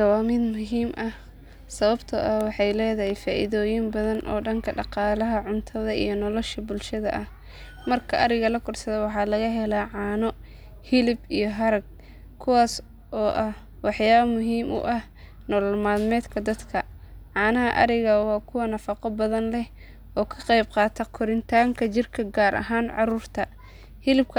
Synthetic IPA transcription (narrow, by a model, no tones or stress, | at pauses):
ɐwɑːmɪd̪mʊɦiːmʔɐh | sɐβɐbt̪ʰʊʔɐwɑħɑjlɛːðɐɦɛjfaːʔiðɔːjɪmbɐðɐnʔɔ̰ːɖɐŋkʰɐɖɑqɑːlɐɦɐʕʊnt̪ʰɐðɐḭjɞnɔlɔʃɐbʊlʃɐðɐ̰ʔɐh | mɐrkʰɐʔɐɾɪɣɐlɐkʰʊrsɐðɛwɑħɑːlɐɣɐɦɛlaːʕɑːnɔ | hɪlɪbijɔɦɐɾɐɡ̚ | kʰʊwaːs | ʔɔːʔɐh | wɑħjaːβɐmʊɦiːmʔʊ̰ʔɐh | nɔlmaːðmɛːd̪kʰɐd̪ɐd̪kʰɐʕɑːnɐɦɐʔɐ̰ɾɪɣɐwɑːkʰʊwɐnɐfɑqɔbɐðɐnlɛh | ʔɔːkʰɐ̥qɛjbqɑːt̪ʰɐkʰʊɾɪnt̪ʰaːŋkʰɐt͡ʃɪrkʰɐɡaːɾʔɐ̰ɦaːnʕɑɾuːrt̪ʰɐ | hɪlɪb̚kʰɐ